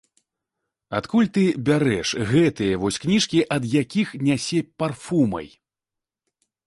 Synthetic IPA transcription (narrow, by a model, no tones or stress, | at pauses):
at̪kulʲt̪ɨbʲaɾɛʂɣɛt̪ɨjɐvɔsʲknʲiʂkʲiʔɐd̪jakʲixnʲasʲɛpʲparfumɐ̰j